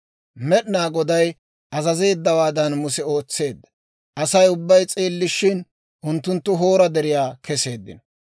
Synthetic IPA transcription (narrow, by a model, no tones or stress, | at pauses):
mɛɗnaːɡɔd̪ɐj | ʔɐzɐze̞ːd̪ːɐwaːd̪ɐnmʊsɛo̞ːt͡sːe̞ːd̪ːɐ̥ | ʔɐsɐjʊbːɐjt͡sʼeːlːɪʃːɪn | ʔʊnt̪ːʊnt̪ːʊɦoːɾɐd̪ɛɾɪjaːkʰɛse̞ːd̪ːɪ̰nɔ